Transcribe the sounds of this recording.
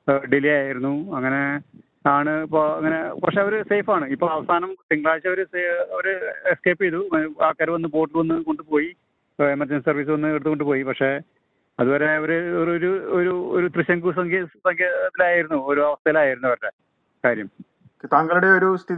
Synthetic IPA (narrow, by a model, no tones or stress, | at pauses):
ɖilijaːjaːjiɾunːuɐŋːɐne̞ | aːɳɨpoɐ̰ŋːɐne̞pɐkʂe̞ɐʋɐɾuseːfaːɳɨipːoːɭɐʋɐsaːnɐmt̪iŋɡɭaːit͡ɕːɐʋɐɾuseɐʋɐɾɨeskeːpːejðuaːkːaːɾʋɐnːɨbo̞ːʈilʋɐnːɨko̞ɳɖɨpo̞ːji | emɐrd͡ʑɐnsisɐrʋiːs̬ɨʋɐnːɨeɽt̪uko̞ɳɖɨpo̞ːjipɐkʂe̞ | ɐðuboːɾeɐʋɐɾeoɾuoɾuoɾut̪rɨɕjɐŋkus̬ɐŋsɐŋkʰjeɐt̪ːilaːjiɾunːuoɾuɐʋɐst̪ʰɐjɐlaːjiɾunːɐʋɐɾɐʈːe | kaːɾjɐm | okːet̪ɐŋɡɐɭuɽeoɾust̪ʰi